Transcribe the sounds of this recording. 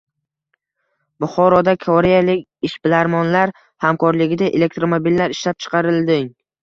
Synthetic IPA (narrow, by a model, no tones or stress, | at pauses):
bʊχɒɾɒd̪akʰɒɾejalɪkʲɪʃbɪlaɾmɒnlaɾ | hamkʰɒɾlɪɡʲɪd̪aʔele̞k̚t̪ɾomobilːaɾɪʃlap̚t͡ʃʰɨ̥qʰɑɾɪlˠd̪ɪŋ